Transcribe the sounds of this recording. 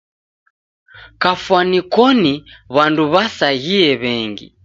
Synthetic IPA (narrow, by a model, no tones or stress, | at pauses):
kafwanikɔniβanduβasaɣiɛβɛŋɡḭ